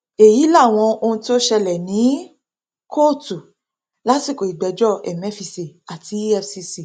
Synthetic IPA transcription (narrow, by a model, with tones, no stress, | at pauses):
e˨ji˨˦la˦˨w̃ɔ̃˧o˧ũ˧ti˦o˦ʃɛ˧lɛ˨nĩ˨˦ | kʰo˦˨tu˨ | la˦ti˦˨ko˨i˨ɡ͡bɛ˨˦d͡ʒɔ˦˨ɛ˨mɛ˦fi˧˨si˨a˨ti˧˦ɛ˦˧fsi˧si˨